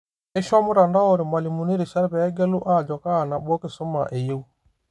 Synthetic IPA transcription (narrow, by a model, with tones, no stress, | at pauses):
ɪ˦ʃɔ˦mʊ˦ɾa˨nda˦o˨ɾɪ˨ma˨li˨mu˨ni˦ɾi˨ʃa˦ɾpɛː˨˦ɡɛ˦lʊ˦ʔa˦˨d͡ʒɔ˨kaː˦˨na˨ɓɔ˦kɪ˨sɔ˦ma˨ʔe˨je˦u˦